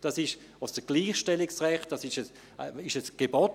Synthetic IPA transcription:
d̥ɑsɪʃ | osd̥əɡ̥liːχʃtɛlɪksʁɛχt̚d̥ɑsɪʃəs | ɪʃəsɡ̥ebɔt

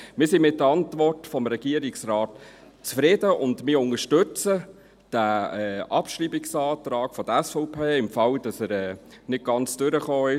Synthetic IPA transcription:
mɪːsɪnmɪt̚ːəɑntvɔrtfɔmɾɛɡ̥iəɾɪksrɑːt | t͡sfɾɪdəʊndmɪːɾʊŋəʃtɵt͡sə | d̥æɛʔɑpʃriːbɪksɑːtɾɑːkfɔd̥əɛsfɔʊpʰeːɪmfɑld̥ɑsəɾɛː | nɪt̚ɡ̥ɑnt͡sd̥ʏɾəχoːɪ

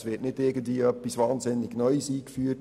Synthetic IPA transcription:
sʋɪːɐtnɪtɪɡən̩dviːœpːisʋɑːnzɪnːɪɡnɔʏsiːkfyːt

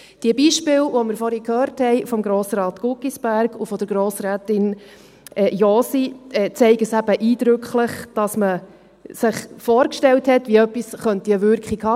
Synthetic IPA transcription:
d̥iəbiːʃpɪːlvɔmɪɾfɔɾikʰøːɾthɛɪfɔmɡɾoːsɾɑːt̪kukisb̥æɾɡufɔd̪əɾɡɾoːsɾæːtɪn | ɛjoːsiɛt͡sɛɪɡəsæbəʔiːd̪̥ɾʉkχləχd̥ɑsmə | sɪχfɔːɾkʃtɛlthɛtʋiœpːisχœntiəʋʏɾkχikhɑ

